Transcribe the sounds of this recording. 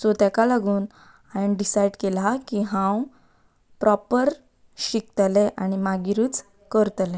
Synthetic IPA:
sot̪ɛkalaɡuːn | aniɖisajɖkelakiɦãw | pɾʔɔpəɾ | ɕik̚t̪lɛʔañimaɡiɾuːt͡s | kəɾt̪lɛ̃

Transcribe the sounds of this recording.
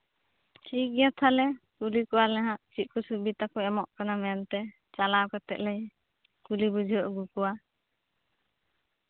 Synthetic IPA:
t͡ʃiɡjat̪ʰalɛkulikɔwalɛɦãʔt͡ʃit̪̚kɔsubit̪akɔɛmɔʔkanamɛant̪ɛ | t͡ʃalakat̪ɛ̰ʔ̪lɛj | kulibud͡ʒʱiɦɔʔɡukɔwa

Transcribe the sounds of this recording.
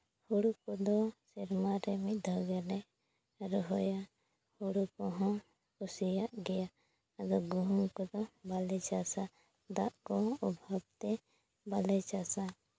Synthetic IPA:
huɽukɔd̪ɔsiɾmaɾɛmid̪ʱɔɡɛlɛ | ɾɔɦɔja | huɽukɔɦɔ̃ | usijaʔɡɛja | əɡ̪ɔɡuɦuŋkɔd̪ɔbalɛt͡ʃasa | d̪aʔkɔɔbʱab̚t̪ɛ | balɛt͡ʃasa

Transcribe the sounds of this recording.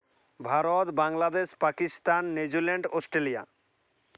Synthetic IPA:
bʱaɾot̪baŋlad̪eʃpakist̪anːed͡ʑileɳɖɔsʈɾelija̰

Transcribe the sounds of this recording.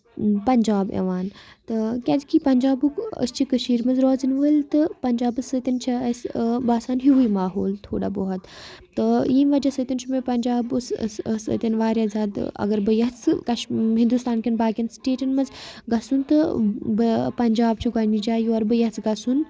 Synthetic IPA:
pɐɲʲd͡ʒaːbḛʋaːnt̪ɨkʲaːdkʰipɐɲʲd͡ʒaːbukə̰st͡ʃʰikəʃiːɾmɐnzɾoːzɨnʋəlʲt̪ɨpɐɲd͡ʒaːbɨsət̪ɐnt͡ʃʰɐɐsbaːsaːnɦiɦuimaːɦoːlt̪ʰoːɽa̰ːboːɦɐt̪ | t̪ɨjiːnʋɐd͡ʒɐsɨt̪ʲint͡ʃʰumepɐnʲd͡ʒaːbssə̰t̪ʲɐnʋaːɾʲjaːzaːd̪ɐ̰ɡɐɾbɨjɐɦt͡sʰkɐʃɦĩnd̪ust̪aːnkʰɐnbaːɡʲɐnsʈeːʈɐnmɐnzɡɐsunt̪ɨbɨpɐɲʲd͡ʒaːb̚t͡ʃʰuɡamid͡ʒaːjuɐɾbɨjɐt͡sʰɡɐsun

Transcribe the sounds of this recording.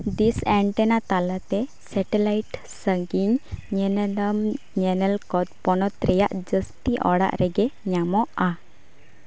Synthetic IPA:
d̪isɛɳʈɛnat̪alat̪ɛ | sɛʈɛlajʈsəɡiɲɲɛnlm | ɲɛnəlkɔt̪pɔnɔt̪ɾɛjaʔd͡ʒəsʈiʔɔ̰ɽa̰ʔɾɛɡɛɲamɔʔa

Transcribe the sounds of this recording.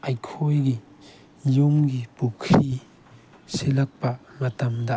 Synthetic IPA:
ajkʰojɡi | jumɡipukʰːi | selɐk̚pɐmɐtɐmdɐ

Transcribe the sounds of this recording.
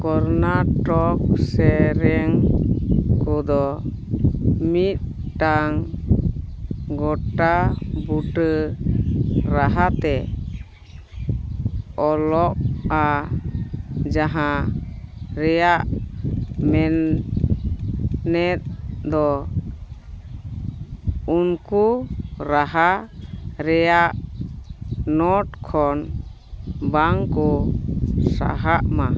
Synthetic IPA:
kɔɾnaʈɔk̚sɛɾɛŋ | kɔd̪ɔ | mit̪̚ʈaŋ | ɡɔʈabuʈə | ɾaɦat̪ɛ | ɔlɔʔa | d͡ʒaɦã | ɾɛjaʔ | mɛn | ɛt̪̚d̪ɔ | unkuɾaɦa | ɾɛjaʔ | nɔʈkʰɔn | baŋkɔ | sa̰ɦaʔma

